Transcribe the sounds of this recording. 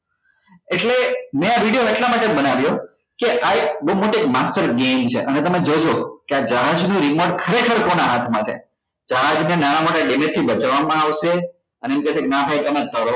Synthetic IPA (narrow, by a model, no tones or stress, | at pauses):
eʈlemẽaʋiɽijoeʈlamaʈebənaʋjo | keʔaebəumoʈoek̚masʈəɾɡemt͡ʃʰḛʔənet̪əmed͡ʒod͡ʒokead͡ʒəɦad͡ʒnũɾimoɾɖkʰəɾekʰəɾkonaɦat̪ʰmãt͡ʃʰḛ | d͡ʒəɦad͡ʒnenanamoʈaɖemet̪ʰːibət͡ʃaʋamãaʋʃe | əneemkɛʃeknabʰʱajk̪əmãd̪ʰʱəɾo